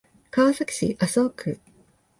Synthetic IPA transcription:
kaβasakʲi̥ɕḭʔasokʰɯ

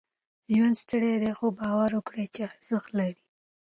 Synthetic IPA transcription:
ʒwand̪st̪əɽed̪exobɑwaɾwəkɽet͡ʃeaɾz̥əxt̪laɾi

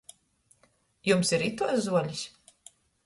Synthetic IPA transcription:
jumsiɾit̪uɔszuɔlʲisʲ

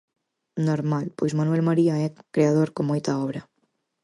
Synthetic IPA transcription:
noɾmalpojzmanuɛlmaɾiaɛkɾeað̞oɾkomojt̪aɔβɾa

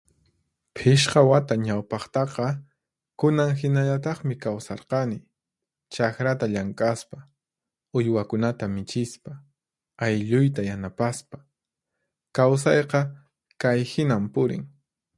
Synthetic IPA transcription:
pʰɪʃqɑwat̪aɲawpɑχt̪ɑqɑ | kʊnaŋxɪnaʎat̪ɑχmɪkawsɑɾqɑnɪ | t͡ʃakɾat̪aʎaŋkʼaspa | ʊjwakʊnat̪amɪt͡ʃɪspa | ajʎʊjt̪ajanapaspḁ | kaws̬ɑjqɑ | kajhɪnampʊɾɪ̰ŋ

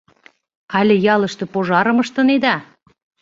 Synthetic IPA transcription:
ɑlʲĕjɑlˠɤ̆ʃt̪ɤ̆poʒɑɾə̆mə̆ʃt̪ɤ̆ned̪ɑ

